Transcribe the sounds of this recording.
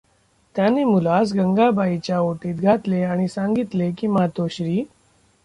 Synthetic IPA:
t̪janemulas̬ɡəŋɡabʱait͡ɕjaoʈiːt̪ɡʱat̪leaɽ̃isãŋɡit̪lekiːmat̪oɕɾiː

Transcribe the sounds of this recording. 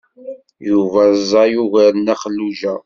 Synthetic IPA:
juvæzˤɑjuʝæɾnːæχəlːuʒæ

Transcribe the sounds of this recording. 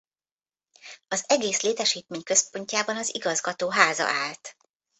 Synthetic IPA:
ɒzɛɡeːsleːt̪ɛʃiːt̪̚meːɲkø̞spo̞ɲcaːbɒnɒziɡɒzɡɒt̪oːɦaːzɒ̰ʔaːlt̪

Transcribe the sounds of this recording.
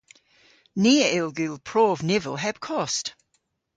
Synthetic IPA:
niːəʔɪlˠɡʉlˠpʰɹ̥oːvnɪvəlˠɦɛb̥kʰɔst

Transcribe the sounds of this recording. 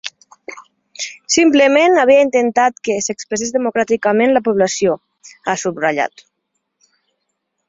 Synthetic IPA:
simplemenaβiaint̪ent̪at̪kesekspɾesezðemukɾat̪ikamẽnlapuβlasio | asubraʎa̰t̪

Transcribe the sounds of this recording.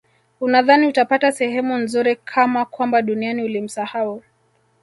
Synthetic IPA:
unaðaniutapatasɛhɛmunzuɾikʰamakwambaɗunianiulim̩sahau

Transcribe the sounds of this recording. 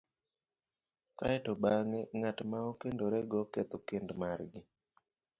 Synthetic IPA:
kaɛtɔbaŋeŋatmaokendoɾɛɡɔket̪okendmarɡɪ

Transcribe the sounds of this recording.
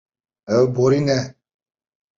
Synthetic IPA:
əboɾinɛ

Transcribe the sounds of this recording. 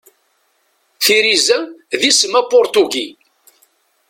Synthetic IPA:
θiɾizəðisəmæpʊɾt̪uɡi

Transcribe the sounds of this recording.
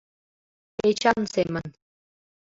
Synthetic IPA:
et͡ɕɑnsemən

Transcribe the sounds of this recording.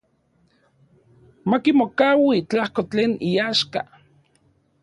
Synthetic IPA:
makimokawit͡ɬahkot͡ɬeːniaːʃka̰

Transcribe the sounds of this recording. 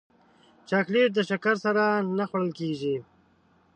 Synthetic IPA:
t͡ʃakleʈ̚d̪əʃakaɾsaɾanaxwaɽəlkeʒi

